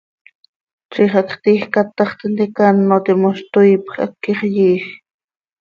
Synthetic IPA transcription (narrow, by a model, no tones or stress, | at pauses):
ʈ͡ʂiχakχt̪iːχkat̪ɑχt̪ent̪ikanːot̪imoʃt̪ʊjpχa̰kːiχjiːχ